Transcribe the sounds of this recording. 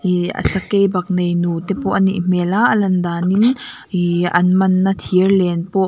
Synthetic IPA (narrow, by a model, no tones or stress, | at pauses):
iɐ̰sakejbɐk̚nejnut̪ɛpɔʔnḭʔm̥ɛlaʔɐlɐnd̪anin | iʔɐ̰nmɐnːat̪ʰiərlɛnpɔʔ